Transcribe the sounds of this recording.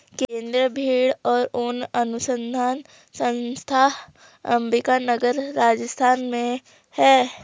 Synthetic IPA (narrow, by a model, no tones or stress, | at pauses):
kẽːnd̪ɾəbʱiːɽɔːɾʊnɐnʊsə̃nd̪ʱaːn | sə̃nst̪ʰa | ɐmɾɪkanəɡəɾːaːd͡ʒəst̪ʰaːnmẽ | hɛː